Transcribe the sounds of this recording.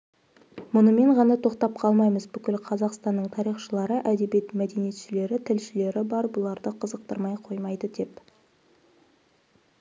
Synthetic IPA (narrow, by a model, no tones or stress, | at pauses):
mʊnəme̞ɴʁɑnɑt̪ʰo̞q̚t̪ɑp̚qʰɑlˠmɑjməzbʏkʲɪlqʰɑzɑqst̪ɑnːəɴt̪ʰɑɾijχʃəlˠɑɾəʔæd̪e̞bijet̪mæd̪e̞nije̞t̪ʃɪle̞ɾɪt̪ʰɪlʃɪle̞ɾɪbɑɾbʊlˠɑɾd̪əqʰəzəq̚t̪əɾmɑjqʰo̞jmɑjd̪əd̪e̞p